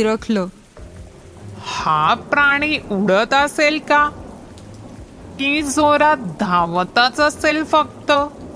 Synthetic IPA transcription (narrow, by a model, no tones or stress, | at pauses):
ɾəkʰlə | hapɾaɽ̃iːʔuɽ̤ət̪əselka | kĩd͡zoɾat̪̚d̪ʱãʋt̪at͡saselfək̚t̪ə